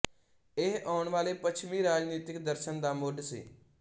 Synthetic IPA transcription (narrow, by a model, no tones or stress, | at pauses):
ɪɦaːʊɳʋaːleːpət͡ʃʰmiːɾaːd͡ʒniːt̪ɪkd̪əɾʃənd̪aːmoːɖsḭː